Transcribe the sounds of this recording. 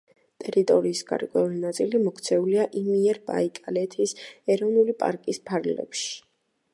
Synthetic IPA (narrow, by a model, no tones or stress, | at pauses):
t̪ʼɛɾit̪ʼɔɾiːsɡ̥a̰ɾkʼwɛulinat̪sʼilimɔkʰt̪sʰɛuliaʔimiɛɾba̰ikʼalɛt̪ʰisɛɾɔvnulipʼa̰ɾkʼispʰaɾɡlɛ̰pʃi̥